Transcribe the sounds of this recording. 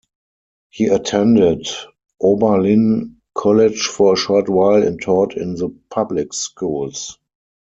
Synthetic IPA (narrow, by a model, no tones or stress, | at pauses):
hiːətʰɛ̃ndɪd | ʔobə˞lĩn | kʰɔlɪd͡ʒfɔɹəʃɔːtwaɪlɛ̰̃ntʰɔːtʰɪ̃nðəpʰablɪkskuːls